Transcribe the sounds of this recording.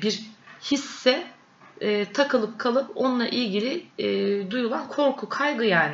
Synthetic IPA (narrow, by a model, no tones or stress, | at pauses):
biɾhisːɛː | t̪ʰakʰɯlˠɯp̚kʰalˠɯpo̞nlˠa̰ʔilʲɟilʲiɛːd̪ujulˠankʰo̞ɾkʰukʰajɡɯjaːnɪ